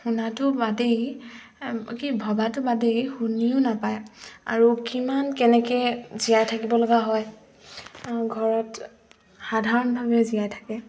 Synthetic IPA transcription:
xunatʊbadej | kibʱɔbatʊbadejxuniʊnapaja̰ɹukimankɛnɛkɛzijajtʰakibɔlɔɡaɦɔj | ɡʱɔɹɔt | xadʱaɹɔnbʱabɛzijajtʰḁkɛ

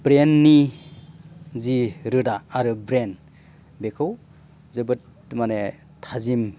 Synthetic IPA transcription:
bɾenːi | ziɾɯdaːɾɯbɾen | bekʰɯw | zɯbɯt | mane | tʰazim

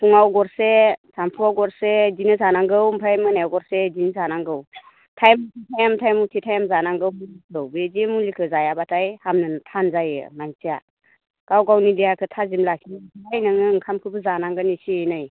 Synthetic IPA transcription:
pʰuŋawɡɔɾsesampʰuawɡɔɾsezinɯzanaŋɡɯwmpʰajmɯnajawɡɔɾsezinzanaŋɡɯw | tʰajmutʰitʰajamtʰajmutʰitʰajamzanaŋɡɯwpulikʰɯwbezimulikʰɯzajabatʰajhamnɯntʰanzajɯ̰maŋsia | ɡ̥awɡawnidijakʰɯtʰazimlakʰiajnɯŋɯŋkʰamkʰɯbɯzanaŋɡɯnisiejnaj

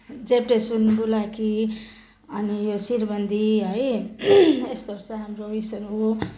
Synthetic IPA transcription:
d͡zepʈesunbulaki | ʌnijosiɾbʌnd̪ʱiɦʌj | est̪ʌɾsʌɦamɾoisʌɾɦo

